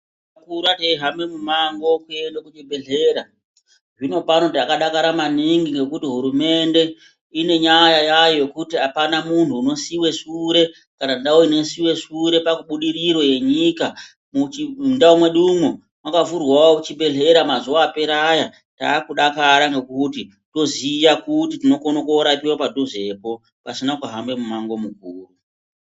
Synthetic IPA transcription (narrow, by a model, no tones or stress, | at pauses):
akuɾateiɦamemumaŋɡo̞kue̞ndakut͡ʃibʱe̞ɮe̞ɾa | ʐino̞pano̞takaɗakaɾamaniŋɡiŋɡe̞kutiɦuɾume̞nde̞ | ine̞ɲajajajoe̞kutiapanamuntʰuːno̞siwe̞ʂuɾe̞ | kanandaoine̞siwe̞ʂuɾe̞pakuɓuɗiriɾo̞je̞ɲika | mndaomwe̞ɗumu | makavurwaout͡ʃibe̞ɮe̞ɾamazuwaːpe̞ɾaja | ta̰ːkuɗakaɾaŋɡe̞kuti | to̞zijakutitino̞kono̞koɾapiwapadoʐe̞po̞ | pasinakuɦambe̞mumaŋɡo̞mukuːru